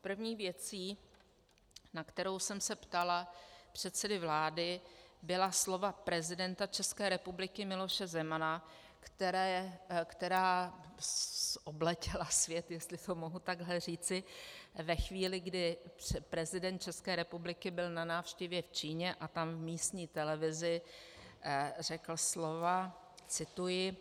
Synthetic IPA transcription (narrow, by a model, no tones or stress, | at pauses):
pr̩vɲiːvjɛt͡siː | nakt̪ɛɾo̞wsɛmsɛpt̪alapr̝̥ɛt̪sɛdɪvlaːdɪbɪlaslo̞vapɾɛzɪdɛnt̪at͡ʃɛskɛːɾɛpublɪkɪmɪlo̞ʃɛzɛmana | kt̪ɛɾɛkt̪ɛɾaː | ʔoblɛcɪlasvjɛt̪jɛst̪lɪt̪omo̞ɦut̪aɡlɛr̝iːt͡sɪvɛxviːlɪɡdɪpɾɛzɪdɛnt̪̚t͡ʃɛskɛːɾɛpublɪkɪbɪlnanaːfʃcɛvjɛft͡ʃiːɲɛʔat̪amvmiːst̪ɲiːt̪ɛlɛvɪzɪ | r̝ɛkl̩slo̞va | t͡sɪt̪ujɪ